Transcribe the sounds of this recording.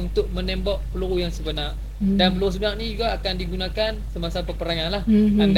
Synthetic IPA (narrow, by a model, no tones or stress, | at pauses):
unt̪ʊʔ̚mənɛmbɔʔpəluɾujaŋsəbənar | danpəluɾus̬əbənarnid͡ʒuɡaːkandiɡunakansəmasapəpəɾaŋanlahand